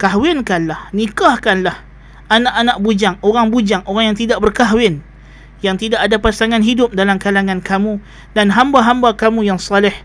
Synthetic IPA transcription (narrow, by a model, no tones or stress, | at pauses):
kaɦwɪnkanlahnikahkanlah | ʔanaʔanaʔ̚bud͡ʒaŋoɾaŋbud͡ʒaŋoɾaŋjaŋt̪idaʔ̚bərkaɦwɪn | jaŋt̪idaʔadapasaŋanɦidʊp̚dalamkalaŋãnkamũ | danɦambaɦambakamũjaŋsɑlɪh